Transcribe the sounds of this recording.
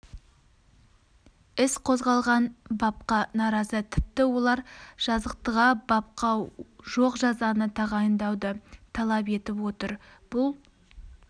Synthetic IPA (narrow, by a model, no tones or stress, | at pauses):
ɪsqʰo̞zʁɑlˠʁɑnbɑp̚qɑnɑɾɑzət̪ʰɪp̚t̪ɪwo̞lˠɑɾʒ̥ɑzəq̚t̪əʁɑbɑp̚qɑʒo̞qʒɑzɑnət̪ʰɑʁɑjənd̪ɑwd̪ət̪ʰɑlˠɑpe̞t̪ɪpwo̞t̪əɾb̥ʊlˠ